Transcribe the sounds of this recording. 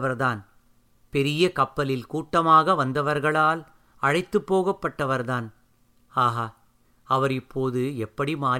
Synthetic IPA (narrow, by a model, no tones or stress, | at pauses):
ʋɐɾðaːn | pɛɾɪjɐkɐpːɐlɪlkuːʈːɐmaːɣɐʋɐnd̪ɐʋɐɾɣɐɭaːl | ɐɻɐɪt̪ːɯpːoːɣɐpːɐʈːɐʋɐɾðaːn | aːɣa | ɐʋɐɾɪpːoːðɯɛpːɐɽimaː